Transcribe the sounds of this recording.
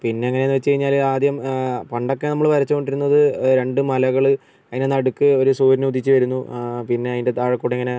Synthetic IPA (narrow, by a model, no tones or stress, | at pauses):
pinːe̞ɐŋːɐnenːɨʋet͡ɕːkɐjiɲːaːlaːd̪jɐmpɐɳɖo̞kːe̞nɐmːɐɭpɐɾɐt͡ɕːuko̞ɳɖiɾunːɐðɨɾe̞ɳɖɨmɐlɐɣɐɭɨ | ɐðːɐnenɐɽukːɨo̞ɾusuːɾinuud̪it͡ɕːɨʋɐɾunːupinːe̞ɐðinde̞t̪aːɻɐkːuːɽeŋːɐne̞